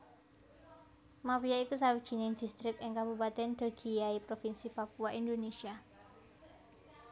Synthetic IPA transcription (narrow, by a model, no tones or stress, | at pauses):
mapijaikus̬awid̥ʒ̥i̤nɛŋd̪̥ist̪ɾɪkɪŋkabupat̪ɛnd̥̪aɡ̥iaipɾofinsipakuaʔind̪onesia